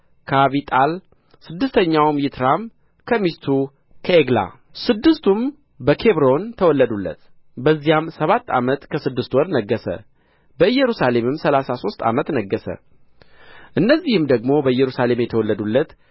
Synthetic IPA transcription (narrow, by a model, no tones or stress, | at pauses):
kʰaβit̪ʼal | sɨd̪ːɨst̪ʰəɲːawmjɪt̪ʰɾam | kʰəmist̪ʰu | kʰəeɡla̰ | sɨd̪ːɨst̪ʰum | bəkʰe̞βɾo̞nt̪ʰəwɔlːəd̪ulːə̰t̪ | bəzːijamsəβat̪ːa̰mət̪kʰəsɨd̪ːɨst̪wɔɾnəɡːəsə̰ | bəɨjːɛɾusale̞mɨmsəlasaso̞st̪ʰa̰mət̪nəɡːəsə̰ | ʔɨnːəzːihɨmd̪əɡmo̞bəɨjːɛɾusale̞mjɛt̪ʰəwɔlːəd̪ulːət̪